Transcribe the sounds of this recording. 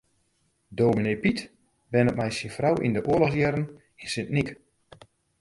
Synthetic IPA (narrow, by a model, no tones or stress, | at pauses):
dowminejpit | bɛnət̚mɛjsinfrawḭndəʔʊəlɔxsjɛɾən | insɪnnik